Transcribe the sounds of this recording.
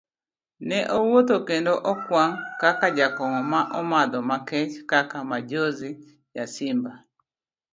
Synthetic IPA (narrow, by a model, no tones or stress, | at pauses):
nɛʔowot̪okendoʔɔkwaŋkakad͡ʒakɔŋɔmaʔɔmad̪ɔmakɛt͡ʃkakamad͡ʒozɪ | jasɪmba